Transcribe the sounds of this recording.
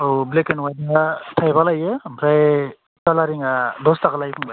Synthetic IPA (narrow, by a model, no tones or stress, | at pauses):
ɔwblekenwajdaatʰajbalajɯmpʰɾaj | talaɾiŋadɔstakalajpʰuŋba